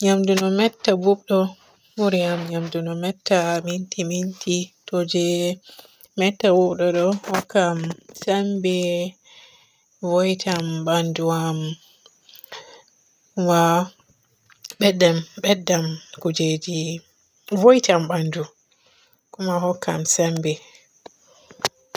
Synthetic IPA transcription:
ɲamdunɔmɛtːabuɓɗɔ | muɾiamɲamdunɔmɛtːamintimintʰitɔd͡ʒɛ | mɛtːabuɓɗɔɗɔhɔkːamsambɛ | vɔjtʰamɓanduam | kuma | ɓɛdɛmɓɛdːamkud͡ʒed͡ʒi | vojtamɓandu | kumahɔkːamsɛmbɛ

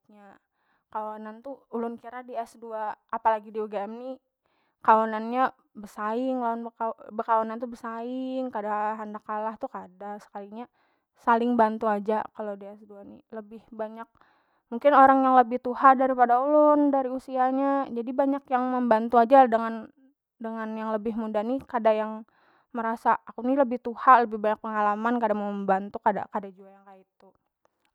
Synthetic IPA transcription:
ɲa | kawanant̪uulʊnkiɾadiɛsduaːpalaɡidiuɡaɛmni | kawananɲa | bərsaɪŋlaanbabəkawanant̪ubərsaɪŋkadaɦandakalaht̪ukadasə̥kaliɲa | salɪŋbant̪uad͡ʒakalodeɛsduaniləbɪhbaɲak̚ | muŋkɪnoɾaŋjaŋləbɪht̪uhadaɾipadaulʊndaɾiusiaɲad͡ʒadibaɲakjaŋməmbant̪uad͡ʒadəŋan | dəŋanjaŋləbɪɦmudanikadajaŋ | məɾasaːkuniləbɪht̪uhaləbɪhbaɲak̚pəŋalamankadaŋməmbant̪ukada̰kadad͡ʒuajaŋkait̪u

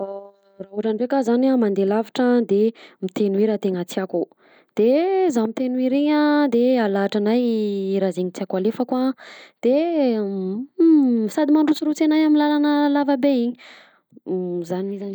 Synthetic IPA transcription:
a | raɦuʈ͡ʂanɖ͡ʐekazanamand̪elaviʈ͡ʂəd̪emit̪enuiɾat̪eŋət͡siaku | d̪̥ezamit̪enuiɾiɲad̪ealaːʈ͡ʂanajɾazeɲit͡siakualefəkuad̪̥e | sad̪imaɳɖ͡ʐut͡suɾut͡senajamilalanəlavəbeiɲ | zanimizan

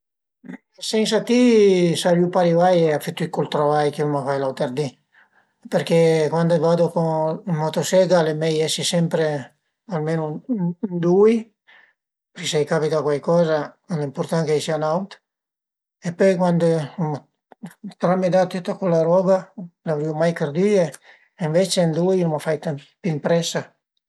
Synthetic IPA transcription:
sɛns̬at̪isaɾjupaɾivajeafet̪ːuikolt̪ɾavajkilmafajlawt̪erd̪i | perkekwand̪ovaːd̪okomːat̪osɛɡalemɛjɛsisɛmpɾe | almeːnond̪ui | peɾkesajkapit̪akwajkɔːza | lɛimport̪aŋkesianawt̪ | epːɔjkwand̪om | t̪ɾamid̪at̪ːet̪ːakolaɾɔɡalavɾiumajkɾd̪iːe | iɱvet͡ʃend̪ujomafajt̪am | pimpɾɛsa

